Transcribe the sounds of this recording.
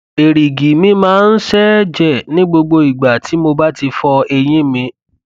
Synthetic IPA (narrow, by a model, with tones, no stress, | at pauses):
e˨ɾi˨ɡi˨mĩ˧˦mãː˦n̩˦ʃɛ˦d͡ʒɛ˦˨nĩ˦ɡ͡bo˧ɡ͡bo˧i˨ɡ͡ba˨tʰi˨˦mo˧ba˦ti˧fɔ˧e˧j̃ĩ˦mĩ˧